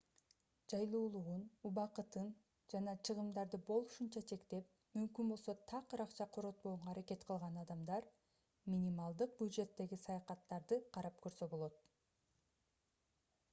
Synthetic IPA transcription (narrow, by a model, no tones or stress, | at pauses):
d͡ʒɑjlˠuːlˠuʁunuβɑqɯt̪ɯn | d͡ʒɑnɑt͡ʃʰɯʁɯmd̪ɑɾd̪ɯbo̞lˠuʃunt͡ʃɑt͡ʃʰe̞kt̪e̞p̚ | mymkynbo̞lˠso̞t̪ʰɑqɾɑqt͡ʃɑqʰoɾo̞t̪̚bo̞uɴɑːɾake̞t̪qʰɯlˠʁɑnɑd̪ɑmd̪ɑɾ | mʲinʲimɑlˠd̪ɯq̚bʲjud̪ʒe̞t̪ːe̞ɡisɑjɑqɑt̪ːɑɾd̪ɯqʰɑɾɑp̚kø̞ɾsø̞bo̞lˠo̞t̪̚